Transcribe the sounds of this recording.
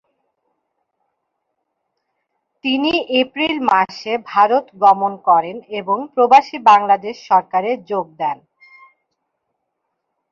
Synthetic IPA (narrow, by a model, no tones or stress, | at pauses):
t̪iniʔepɾilmaʃebʱaɾot̪ɡɔmonkɔɾeneboŋpɾobaʃibaŋlad̪eʃːɔɾkaɾed͡ʑoɡ̚d̪ɛn